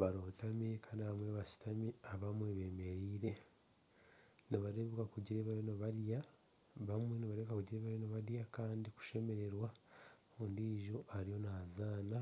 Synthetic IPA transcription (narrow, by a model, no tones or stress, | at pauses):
βaɾoːtamikʰanaamweβasi̥tamiaβamweβe̞ːme̞ɾiːɾe̞ | niβaɾeβukakuɟiɾeβaɾjonoβaɾja | βamwe̞niβaɾeukakuɟiɾeβaɾjonoβaɾjakaːndiku̥ʃe̞me̞ɾe̞ɾwa | ondiːʒoʔaɾijo̞naazaːna